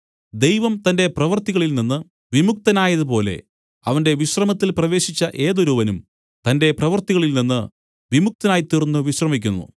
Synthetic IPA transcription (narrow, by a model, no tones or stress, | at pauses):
d̪ejʋɐmt̪ɐnde̞prɐʋɐrt̪iɣɐɭilninːɨ | ʋimuk̚t̪ɐnaːjɐðupo̞ːle̞̰ | ɐʋɐnde̞ʋiɕrɐmɐt̪ːilprɐʋe̞ːɕit͡ɕːɐʔe̞ːðoɾuʋɐnum | t̪ɐnde̞prɐʋɐrt̪iɣɐɭilninːɨ | ʋimuk̚t̪ɐnaːjit̪ːirnːuʋiɕrɐmikʲːunːṵ